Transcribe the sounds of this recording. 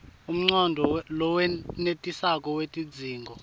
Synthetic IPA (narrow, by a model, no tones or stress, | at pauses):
um̩ŋ͡ǀɔndʱɔlɔwɛnetʼisakʼɔwetʼid͡zʱiːŋɡʱɔ